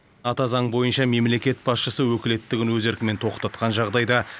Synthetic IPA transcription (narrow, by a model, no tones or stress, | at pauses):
nɑt̪ɑzɑɴbo̞jənʃɑme̞mle̞kʲe̞t̪̚bɑsʃəsəwɵkʲɪle̞t̪ːɪɡʲɪnwɵze̞ɾkʲɪme̞nt̪ʰo̞qt̪ɑt̪qɑnʒɑʁd̪ɑjd̪ɑ